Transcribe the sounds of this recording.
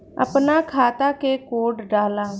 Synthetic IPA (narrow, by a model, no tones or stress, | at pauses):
ə̰pnakʰaːt̪akekoːɖɖaːlãː